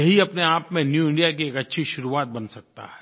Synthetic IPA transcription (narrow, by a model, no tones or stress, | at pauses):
ɐɦiɐpneaːpmẽnjuːɪ̃ɳɖijak̬ieːkɐtːʃʰiʃʊɾuaːt̪̚bɐnsɐk̚t̪a̰ɦɛː